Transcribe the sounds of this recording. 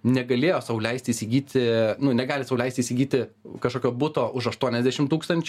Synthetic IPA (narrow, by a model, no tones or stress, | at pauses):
nʲɛɡɐlʲeːjoːsɐʋʊlʲɛɪsʲt̪ʲiːsʲɪɡʲiːt̪ʲɪnʊnʲɛɡɑːlʲɪsɐʊlɛɪsʲt̪ʲiːsʲɪɡʲiːt̪ʲɪkɐʃkoːkʲoːbʊt̪oːʔʊʃɐʃt̪uɔnʲɛzʲd̪ʲæːʃʲɪmt̪uːkst̪ɐnʲt͡ʃʲʊ